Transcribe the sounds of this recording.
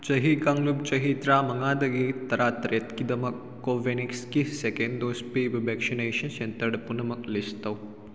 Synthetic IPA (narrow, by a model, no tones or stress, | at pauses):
t͡ʃɐɦikɐŋlub̚t͡ʃɐɦit̪ɾaːmɐŋaːd̪ɐɡit̪ɐɾaːt̪ɾet̪kid̪ɐmɐkːoːʋenikskisekend̪ospebɐbekʃineːʃɐnʃent̪ɐɖɐpunɐmɐklist̪ɐw